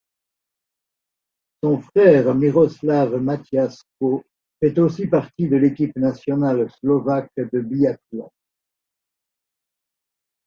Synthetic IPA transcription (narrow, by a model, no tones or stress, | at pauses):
sɔ̃fχɛʁmiʁɔslavmat̪jasko | fɛt̪osipaʁt̪id̪əlekʲipnasjɔnalslɔvakd̪əbiakla